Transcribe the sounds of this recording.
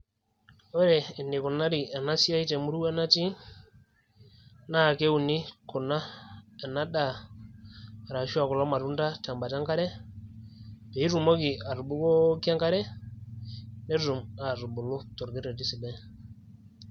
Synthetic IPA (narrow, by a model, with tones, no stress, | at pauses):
ɔ˦ɾɛ˨ne˨ku˨na˦ɾi˨a˨na˦si˦a˦i˦te˨mu˦ɾu˦ɛ˦na˦ti˦ | na˦˨ke˦u˨ni˦ko˨na˦a˨na˦ɗa˦˨ | ɾa˨ʃu˦a˨kɔ˨lɔ˦ma˨ɾu˦nda˦ta˨mba˨ta˦ŋka˦ɾɛ˦ | be˨i˦ɾu˨mo˦ki˨a˨ɾu˨bu˦ko˦ki˦a˦ŋka˦ɾɛ˦ | nɛ˦ɾu˨ma˨ɾu˨bu˨lo˦tɔ˨ɾɡi˦ɾɛ˨ti˦si˨bɛ˦